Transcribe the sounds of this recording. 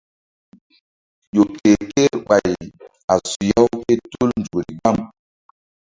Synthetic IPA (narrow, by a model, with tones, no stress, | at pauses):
jo˨ke˨ke˦ɾɓa˨j | a˨su˨ja˦wke˦tu˦lnd͡ʒu˨ɾḭ˨ɡ͡ba˦m